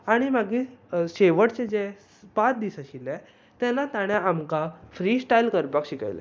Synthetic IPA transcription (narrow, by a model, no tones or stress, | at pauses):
aɽ̃imaɡiːɕeʋəɽt͡sed͡ze | pat̪d̪isaɕile | t̪ɛ̃nat̪aɽ̃aamkafɾiːsʈailkəɾpakɕika̰jlḛ